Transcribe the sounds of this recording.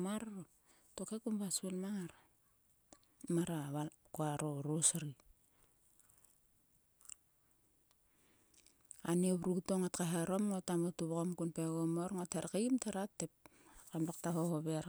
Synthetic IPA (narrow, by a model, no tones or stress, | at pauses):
maɾɾo | tokekumβaselmaŋaɾ | maɾaβakoaɾoɾosaɾi | aniβɾuɡtoŋatkaɦaɾomŋotamotuβkomkunpeɣomoɾŋotʰeɾkamtʰeɾatːep̚kamlak̚taɦohoβeɾ